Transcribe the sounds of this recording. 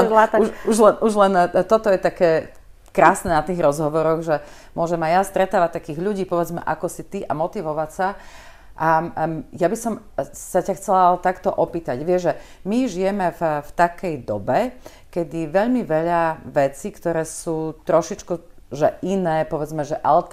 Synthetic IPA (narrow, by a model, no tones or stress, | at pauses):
ɛuʃuʒlɛnuʒlɛnt̪ɔt̪ɔjɛt̪akɛː | kɾaːsnɛːnat̪iːɣɾɔzɦɔʋɔɾɔɣʒɛ | mʊɔʒɛmajast̪ɾɛt̪aːʋac̚t̪akiːɣʎuɟiːpɔʋɛd͡zmɛ̰ʔakɔsit̪iʔa̰mɔt̪iʋɔʋacsa | ʔajabisɔmsacaxt͡sɛlat̪akt̪ɔʔɔpiːt̪aɟʋɪɛʒɛ | miʒijɛmɛfft̪akɛjd̪ɔbɛ | kɛd̪iʋɛʎmiʋɛʎaʋɛt͡sikt̪ɔɾɛːsuːt̪ɾɔʃit͡ʃkuʒɛʔinɛːpɔʋɛd͡zmɛʒɛʔalɛt̪